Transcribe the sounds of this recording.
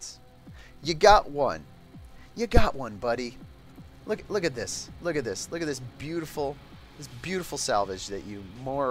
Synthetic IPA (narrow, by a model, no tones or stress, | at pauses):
s | jɨɡɑʔwʌ̰̃n | jɨɡɑʔwʌ̃nbʌɾi | lʊklʊkɨt̪̚ðɪslʊkɨt̪̚ðɪslʊkɨt̪̚ðɪsb̥jʉɾəfl̩ˠ | ðɪsb̥jʉɾəfl̩ˠsælˠvɨd͡ʒðɨ̰t͡ʃɨmɔ